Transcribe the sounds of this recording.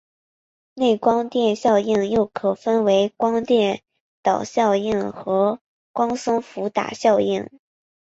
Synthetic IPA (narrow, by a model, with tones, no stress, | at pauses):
ne˥˩ɪkwɑ˥ŋt̪jɛ˥˧nɕjɑ˥˧ʊi˥˩ŋjo˥˩ʊkʰɤ˨˩fə˥nwe˧˥ɪkwɑ˥ŋt̪jɛ˥˩n | t̪ɑ˨˩ʊɕjɑ˥˧ʊi˥˩ŋxɤ˧˥ | kwɑ˥ŋsɤ˥ŋfu˧˥t̪a̰˨˩ɕjɑ˥˧ʊi˥˩ŋ